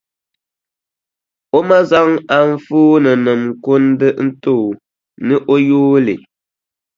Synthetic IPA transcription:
o˦ma˦za˦ŋa˨n̩˦fuː˦nɨ˨nɨ˨m˨ko˦n˦dɨ˦n̩˦to˦˨ | nɨ˦ʔo˦juː˦lḭ˨

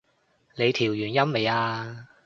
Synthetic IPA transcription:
nle˨˧jt̪ʰiː˨˩wjyː˨˩njɐ˥mme˨˧jaː˧

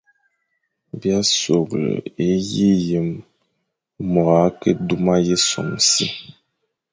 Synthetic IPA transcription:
bja˦so˨ɡlə̰˨e˦ji˦je˨m | ɔ˨ɣa˨˦ke˦du˦ma˦je˦so̰˨msi˦

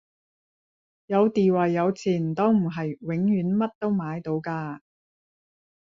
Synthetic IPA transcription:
jɐ˨˧wt̪iː˨wɐ˨˩jːɐ˨˧wt͡sʰiː˨˩nt̪ɔ˥wm̩˨˩ɦɐ˨jwɪ˨˥ŋjyː˨˥nmɐ˥t̚t̪o˥wmaː˨˧jt̪o˨˥wkaː˧

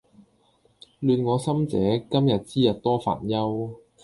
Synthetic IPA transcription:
lyː˨˧nŋɔː˨˧sɐ˥mt͡sɛː˨˥kɐ˥mjɐ˨t̚t͡siː˥jɐ˨t̚t̪ɔː˥fa̰ː˨˩njɐ˥w

